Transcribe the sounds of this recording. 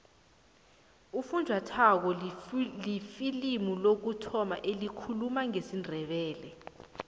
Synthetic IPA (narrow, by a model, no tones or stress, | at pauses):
ufund͡ʒʱwatʰak̬ɔlifilimulok̬utʰɔma̰ʔelikʰulumaŋesindʱɛɓɛːlɛ